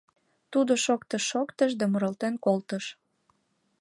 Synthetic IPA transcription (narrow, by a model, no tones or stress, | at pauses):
t̪ud̪oʃokt̪əʃːokt̪əʒd̪æmoɾəlt̪enkolt̪əʃ